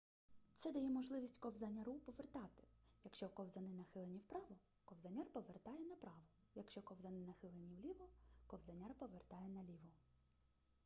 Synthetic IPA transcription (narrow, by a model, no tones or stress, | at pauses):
t̪sɛd̪ɐjɛmɔʒlˠɪʋʲisʲtʲkɔwzɐnʲɐɾupɔʋert̪ɑt̪ɪ̥jɐkʃt͡ʃɔkɔwzɐnɪnɐxɪlˠenʲiwpɾɑʋɔ | kɔwzɐnʲarpɔʋert̪ɑjɛnɐpɾɑʋɔ | jɐkʃt͡ʃɔkɔwzɐnɪnɐxɪlˠenʲiwlʲiʋɔkɔwzɐnʲɑrpɔʋert̪ɑjɛnɐlʲiʋɔ